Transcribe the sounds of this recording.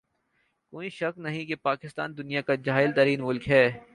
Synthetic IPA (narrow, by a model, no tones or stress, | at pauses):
koːiʃɐknɐɦĩkepaːkɪst̪a̰ːnd̪ʊnijakad͡ʒaːɪlt̪ɐɾiːnmʊlkɦɛː